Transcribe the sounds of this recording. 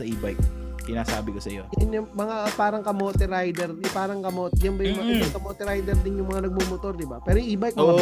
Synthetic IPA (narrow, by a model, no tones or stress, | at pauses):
sɐʔiːbajk̚ | sɪnaːsaːbɪkosɐjojɐnjʊŋmɐŋapaːɾɐŋkɐmoːt̪ɛɾajd̪ɛɾd̪ɪpaːɾɐŋkɐmoːt̪jɐnbɐjʊŋmɐɪɐŋkɐmoːt̪ɛɾajd̪ɛɾd̪ɪnjʊŋmɐŋanɐɡ̚mumot̪oɾd̪ɪbapɛːɾojʔiːbajk̚mo